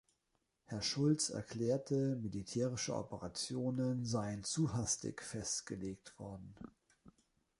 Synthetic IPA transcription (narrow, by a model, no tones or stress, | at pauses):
hɛɐʃʊlt͡sɛ̰ɐkl̥ɛːɐtʰəmilitʰɛːʁɪʃəʔɔ̰pəʁat͡sjoːnənzaɪənt͡suɦastɪ̰kfɛstɡ̥əleːk̚tv̥ɔɐdn̩